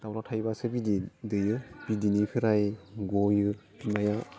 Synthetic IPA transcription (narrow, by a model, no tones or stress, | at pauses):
d̥awlatʰajbasɯbididɯjɯb̥idinikʰɯɾajɡojɯ | naja